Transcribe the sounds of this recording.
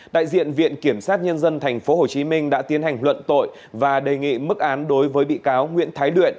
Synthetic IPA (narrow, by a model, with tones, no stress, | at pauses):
ɗa̰ː˧˨jzḭ˧˨ənvḭ˧˨ənki˧˩əmsaː˦˥t̚ɲə˧nzə˧nt̪ʰɛ˨˩jŋ̟fo˨˦ɦo˨˩t͡ɕi˨˦mï˧ŋ̟ɗa̰ː˧˥t̪i˨˦ənha˨˩jŋ̟lwə̰˧˨nt̪o̰˧˨j | vaː˨˩ɗe˨˩ŋḭ˧˨mɨ˦˥k̚ʔaː˨˦nɗo˨˦jvəː˨˦jɓḭ˧˨kaː˨˦wŋwḭ˧˥ənt̪ʰaː˨˦jlwḭ˧˨ən